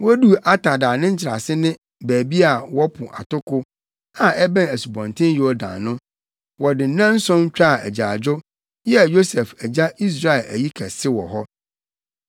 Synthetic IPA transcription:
wɔ˦du˦a˦tʰa˨daː˨nɪ̃˦ɲ̩˦t͡ɕʰɪ˨ɾa̰˨sɪ˦nɪ̃˦ | bæː˨bi˦a˨wɔ˦pʰʊ̃˨ʔa̰˨tʊ˦kʊ˦ | ã˨ɛ˦bɛ̃˦næ˨su˨bɔ̃˨ntʰɪ̃˦jo˦dã̰˨nʊ̃˦ | wɔ˨dɪ˨n̩˨˦nã˦n̩˦sɔ̃˦n˦t͡ɕᶣa˦˨æ̰˨d͡ʑa˨d͡ʑʊ˦ | jɛ˦˨jo˦sɛ˨fæ˨d͡ʑa˦i˦s̬ɾa˦˨ɛ˨læ̰˨ji˦kʰɛ˨sɪ˦wɔ̰˨ɦɔ˦

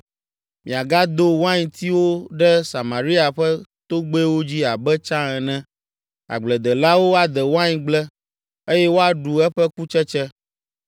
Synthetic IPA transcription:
mĩ˨a˨ɡa˦d̪o˦wa˦ɲĩ˨t̪ʰi˦wo˦ɖɛ˦sa˨mã˨ɾi˦a˨ɸɛ˦t̪o˦ɡ͡bo˦ɛ˦wo˦d͡ʑi˦a˨bɛ˦t͡ʃã˦ɛ˨nɛ̃˦ | a̰˨ɡ͡blɛ˨d̪ɛ˨la˦wo˦a˨d̪ɛ˨wo˦ã˦ɲĩ˦ɡ͡blɛ˦ | e˦jɛ˦wo˦a˨ɖu˨ɛ˦ɸɛ˦ku˦t͡ʃɛ˦t͡ʃɛ˦

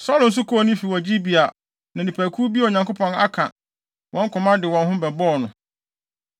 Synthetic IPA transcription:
sɔː˦lʊ̃˨n̩˦s̬ʊ˦kʰɔ˦ɔ˨nʊ̃˦fi˨wɔ˨d͡ʑi˦bi˨a˨ | nã˨nĩ˨pʰæː˨kʰu˦bi˦˨o˨ɲã˨ŋko˦pʰɔ̃˨na̰˦kʰã̰˨ | wʔɔ̃˦ŋ˦kʰʊ̃˨mã˦dɪ˨wɔ̃˨nɦʊ̃˦bɛ˨bɔː˦˨nʊ̃˨

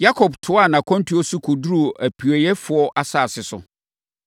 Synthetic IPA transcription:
ja˦kʰɔ˨btʰʊ˨˦a˦˨nã˨kʰɔ̃˦n˦tʰu˨˦o˦sʊ˦kʰʊ˨du˦ɾu˦o˨ʔæ˨pʰi˨ɔ˨jɛ˦fʊ˨ɔ˦ʔa˨saː˦˨sɪ˨sʊ̰˨

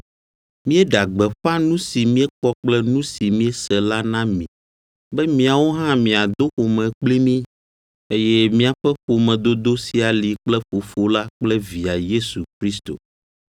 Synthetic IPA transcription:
mĩ˦ɛ˦ɖa˨ɡ͡bɛ˨ɸa˦nũ˦si˨mĩ˦ɛ˦k͡pɔ˦k͡plɛ˦nũ˦si˨mĩ˦ɛ˦sɛ˨la˦nã˦mĩ˨ | bɛ˦mĩ˨˦a˨wo˦ɦã˦mĩ˨a˨d̪o˦xo˨mɛ̃˨k͡pli˦mĩ˦ | e˦jɛ˦mĩ˦a˨ɸɛ˦ɸo˨mɛ̃˨d̪o˦d̪o˦si˨a˨li˨k͡plɛ˦ɸo˨fo˦la˦k͡plɛ˦vi˨a˨je˦su˨kɾi˦st̪o̰˨

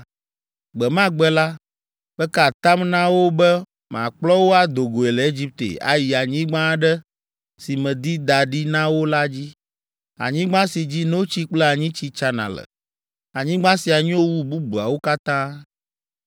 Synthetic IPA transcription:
ɡ͡bɛ˨mã˦ɡ͡bɛ˦la˦ | b̥ɛ˦ka˦˨t̪a˦mnã˦wo˦bɛ˦ | mã̰˨k͡plɔ˦wo˦a˨d̪o˨ɡo˨e˨lɛ˨e˦d͡ʑi˦p̚t̪ḛ˨a̰˨ji˨a˨ɲĩ˦ɡ͡bã˦ɖɛ˦ | si˨mɛ̃˨d̪i˦d̪a˨ɖi˦nã˦wo˦la˦d͡ʑi˦ | a̰˨ɲĩ˦ɡ͡bã˦si˨d͡ʑi˦nõ˦o˦t͡ɕi˦k͡plɛ˦a˨ɲĩ˦t͡ɕi˦t͡ʃa˦nã˨lɛ̰˨ | a˨ɲĩ˦ɡ͡bã˦si˨a˨ɲĩ˦wo˦wu˦bu˦bu˨a̰˨wo˦ka˦t̪ã˦

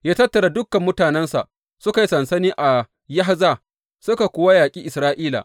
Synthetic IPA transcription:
jaː˦tɐ˦tːɐ˨ɽa˨dʊ˦kːɐ˨mːʊ˦taː˨nɛ˦nsa̰˨ʔ | sʊ˦ka˨ji˦sɐ˨nsɐ˦niː˦ʔa˨ | ja˦ɦa˦za˦˨ | sʊ˦ka˨kʷʊ˦wa˦jaː˨kʲʼiː˦ʔɪ˨sɾaː˦ʔiː˦la̰˨

